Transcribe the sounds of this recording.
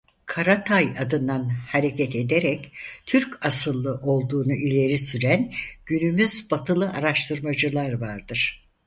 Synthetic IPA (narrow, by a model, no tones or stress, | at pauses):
kʰaɾat̪ʰajad̪ɯnd̪anhaɾe̞cʰɛt̪e̞d̪eɾɛct̪ʰyɾcasɯlˠːɯʔo̞lˠd̪uːnuʔilʲe̞ɾisyɾænɟ̥ynymyzbat̪ʰɯlˠɯʔaɾaʃt̪ʰɯɾmad͡ʒɯlˠaɾvaɾd̪ɯɾ̥